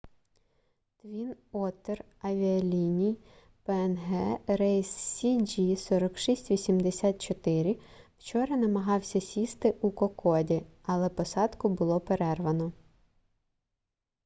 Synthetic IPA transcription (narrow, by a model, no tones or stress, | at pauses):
t̪ʋʲinɔt̪ːer | ɐʋʲiɐlʲinʲij | peɛnɦɛɾɛjsːʲid͡ʒisɔɾɐkʃisʲtʲʋʲisʲimd̪esʲɑt̪̚t͡ʃɔt̪ɪɾʲɪw̥t͡ʃɔɾɐnɐmɐɦɑwsʲɐsʲist̪ɪʔukɔkɔdʲiɐlˠɛpɔsɑd̪kʊbʊlˠɔpeɾɛrʋɐnɔ